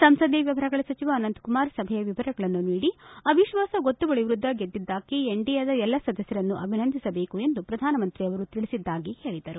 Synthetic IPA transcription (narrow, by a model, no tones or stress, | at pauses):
sɐmsɐd̪ʱːiʋjɐʋɐɾɐɡɐɭɐsɐt͡ʃiʋaːnɐnt̪kumaːɾsɐbʱɛjɐʋiʋɐɾɐɡɐɭɐnːuniːɽiɐbʱiʃʋaːsɐɡot̪ːubɐɭiʋɾud̪ʱːɐɡed̪ːid̪ːaːkieɳɖijɐd̪ɐɛlːɐsɐd̪ɐsjɐɾɐnːuʔɐbʱinɐnd̪ʱisɐbe̞ːkue̞nd̪upɾɐd̪ʱaːnɐmɐnt̪ɾiɐʋɐɾut̪iɭisid̪ːaːɡihe̞ːɭid̪ɐɾu